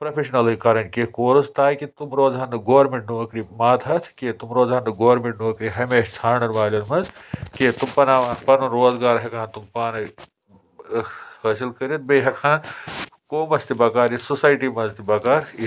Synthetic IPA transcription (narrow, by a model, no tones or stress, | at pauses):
pɾɐpʰeʃɐnɐlɨkɐɾɐnʲkekoːɾust̪aːikit̪umɾoːzɦɐnːɨɡoːɾmiʈ̚nuːɐkɾimaːt̪ʰɐt̪ʰket̪umɾoːzanːɨɡoːɾmiʈnuɐkɾiɦɐmeːʃt͡sʰaːɳɐnʋaːlʲonmɐzket̪umpɐnaːpɐnunɾoːzɡaːɾɦɐkʰãːnt̪umpaːnɐ | hɐːsilkəɾit̪̚beɦɐkʰaːn | koːmɐst̪ibɐkaːɾjisusaːjʈimɐzt̪ibɐkaːɾ